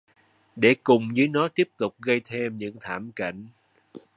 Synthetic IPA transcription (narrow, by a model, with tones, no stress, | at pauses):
ɗe˧˩kʊ˨˩ŋ͡mzɨː˨˦jnɔ˨˦t̪i˦˥əp̚t̪ʊ˨˩k͡p̚ɣə˧jt̪ʰe˧mɲɨ̰˧˥ŋt̪ʰaː˧˩mka̰˧˩˨jŋ̟